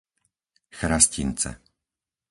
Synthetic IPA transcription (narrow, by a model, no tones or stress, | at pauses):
xɾascint͡sɛ̰